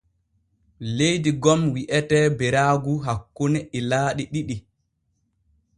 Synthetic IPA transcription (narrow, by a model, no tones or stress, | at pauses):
lejdiɡɔmwiʔɛtɛbɛɾaːɡuɦakːunɛilaːɗiɗiɗi